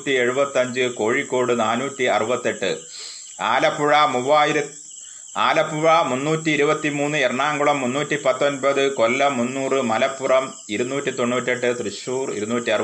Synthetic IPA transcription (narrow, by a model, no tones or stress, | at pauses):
tʲːie̞ɻubɐt̪ːɐɲd͡ʑɨko̞ːɻikːo̞ːɽɨnaːnuːtːiɐ̰rubɐt̪ːe̞ʈːɨ̰ | a̰ːlɐpːuɻɐmuʋːaːjiɾɐ | aːlɐpːuɻɐmunːuːtːiːɾubɐt̪ːimuːnːɨerɐɳːaːŋɡuɭɐmːunːuːtːipɐt̪ːo̞nbɐðɨko̞lːɐmːunːuːrɨmɐlɐpːurɐm | iɾunːuːtʲːit̪o̞ɳːuːtːe̞ʈːɨt̪rɨɕuːrḭɾunuːtʲːiɐr